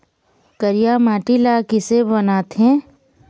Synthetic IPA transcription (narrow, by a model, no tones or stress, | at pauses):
kəɾijaːmaːʈilakɪsebɐnaːt̪ɦɛ̃ː